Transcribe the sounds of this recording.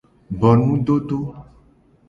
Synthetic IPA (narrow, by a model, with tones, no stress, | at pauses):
bɔ˨nũ˦ɖo˦ɖ̪o˦